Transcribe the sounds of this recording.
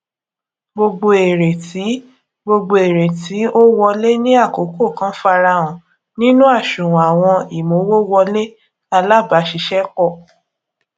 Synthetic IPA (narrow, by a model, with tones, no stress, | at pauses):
ɡ͡bo˧ɡ͡bo˧e˨ɾe˨ti˨˦ | ɡ͡bo˧ɡ͡bo˧e˨ɾe˨ti˨˦o˦wɔ˧le˦nĩ˦a˦˨ko˨˦ko˦˨kã˦fa˧ɾa˧ɔ̃˨ | nĩ˦nũ˦a˦˨ʃũ˨ɾɔ̃˨a˨w̃ɔ̃˧i˨mo˨˦wo˦wɔ˧le˦ | a˧la˦˨ba˨˦ʃi˧˦ʃɛ˦k͡pɔ˦˨